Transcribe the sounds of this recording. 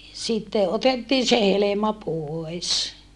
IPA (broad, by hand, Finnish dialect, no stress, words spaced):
sitːe ʔotetːiː se helemɑ poes